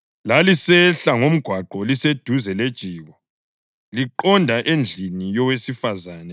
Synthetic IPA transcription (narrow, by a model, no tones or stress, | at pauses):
lalisɛɬaŋom̩ɡ̥ʱwaǃɔlised̥ʱuzɛled̥ʒ̥ʱiːɣɔ | liǃɔndʱaʔend͡ɮʱinijɔwesifazaːnɛ